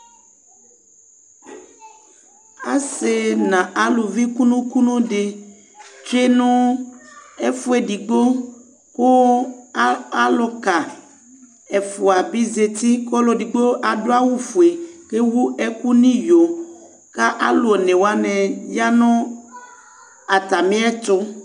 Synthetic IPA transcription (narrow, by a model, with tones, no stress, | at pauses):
a̰˨se˨nã˨ʔa˨lo˨vi˦ku˦nũ˦ku˦nũ˦ɖe˨ | t͡ʃɾe˦nũ˦ | e˦fu˦e˨ɖi˨ɡ͡bo˦ | ko˦ | a˦lo˨ka˨ | e˨fu˨a˨bi˦ze˨t̪i˦kɔ˦lo˨di˨ɡ͡bo˦ʔa˨do˦a˦wu˦fu˨e˨ke˦wu˦e˦ku˦nĩ˦jo˨ | ka˦ʔa˦lo˨nẽ˨wa˦nɛ̃˨ja˦nɔ̃˦ | a˨t̪a˨mĩ˦a˦t̪o˦